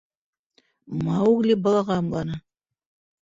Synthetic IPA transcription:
mɑuɣlʲibɑlˠɑʁɑɑmlˠɑnɤ

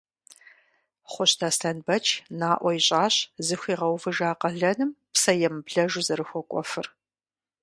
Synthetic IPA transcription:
χʷɔɕtʰaːstʰɐnbɐt͡ʃʰʼnaːʔʷɔiɕʼaːɕzɨxʷiːʁɐwvɨʒaːqɐɮɐnɨmpsɐjɛmbɮɐʒʊzɐɾɨxʷɔkʷʼɔfɨr

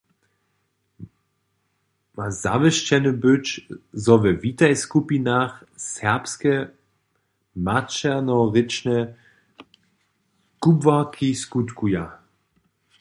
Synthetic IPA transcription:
maza̰vəʃt͡ɕɛnəbøt͡ʃzɔvɛvitajskupinaxsɛɐpskɛ | mat͡ʃɛnɔʁɪt͡ʃnɛ | kubvakʰiskutkuja

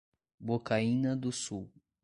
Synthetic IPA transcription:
bokaĩnɐd̪ʊsuw

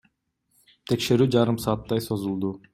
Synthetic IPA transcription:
t̪ʰe̞kʃe̞ɾyːd͡ʒɑɾɯmsɑːt̪ːɑjso̞zulˠd̪u

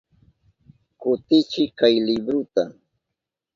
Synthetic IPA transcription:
kʊt̪ɪt͡ʃɪkajlɪbɾʊt̪a

